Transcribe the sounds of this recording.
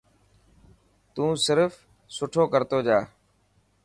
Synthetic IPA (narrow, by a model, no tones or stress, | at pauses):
t̪ũːsɪɾf | sʊʈʰoːkəɾt̪oːd͡ʒaː